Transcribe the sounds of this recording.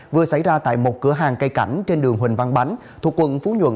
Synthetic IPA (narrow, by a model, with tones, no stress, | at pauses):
vɨ˨˩əsa̰˧˩jzaː˧t̪a̰ː˧˨jmo˨˩t̚kɨ˨˧˦əɦaː˨˩ŋkə˧jka˧˩jŋ̟t͡ɕe˧nɗɨ˨˩əŋɦwï˨˩ŋ̟va˧nɓa˨˦ŋ̟ | t̪ʰu˨˩əkːwə̰˧˨nfu˨˧˦ɲwə̰˧˨n